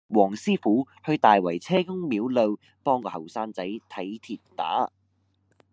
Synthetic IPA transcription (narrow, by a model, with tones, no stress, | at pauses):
wɔː˨˩ŋsiː˥fuː˨˥hɵ˧ɥt̪aː˨jwɐ˨˩jt͡sʰɛː˥kʊ˥ŋmiː˨˥wlɵ˧w | pɔː˥ŋkɔː˧hɐ˨˩wsaː˥nt͡sɐ˨˥jt̪ʰɐ˨˥jt̪ʰiː˨t̚t̪a̰ː˨˥